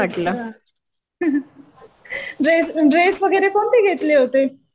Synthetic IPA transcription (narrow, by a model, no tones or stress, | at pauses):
aʈla | ɾesɾesʋəɡʱəɾekoːɳt̪iɡʱet̪leɦot̪e